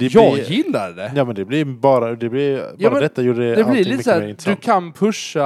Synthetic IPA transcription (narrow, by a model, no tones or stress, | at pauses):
d̪ɛjɑjɪlːa̰ɖɛjɑːmɛnd̪ɛblɪɾbɑːɾad̪ɛblɪbjɑːɾmɾɛd̪ɛt̪ːajuːɾədɛd̪ɛblɪɾliːməsːɾɪnd̪ɵkʰanpʰɵʂa